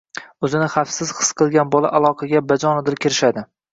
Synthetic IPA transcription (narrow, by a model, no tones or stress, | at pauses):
ɵzɪnɪχafsɪz̥χɨ̥sqʰɨlˠɡʲanbɒlˠa̰ʔalˠɒqʰɑɡʲabad͡ʒɒnɪd̪ɪɾkʲʰɪɾɪʃad̪ɪ